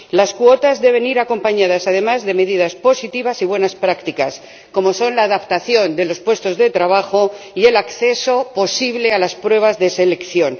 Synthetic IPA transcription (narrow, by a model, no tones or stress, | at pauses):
laskwo̞t̪azðe̞β̞e̞niɾako̞mpaɲað̞asað̞e̞mazðe̞me̞ðiðaspo̞sit̪iβasiβwe̞naspɾakt̪ikas | ko̞mo̞so̞nlaːðapt̪aθjo̞nd̪e̞lo̞spwe̞st̪o̞zðe̞t̪ɾaβ̞axo̞ie̞lakθe̞so̞po̞siβle̞alaspɾwe̞β̞azðe̞se̞le̞kθjo̞n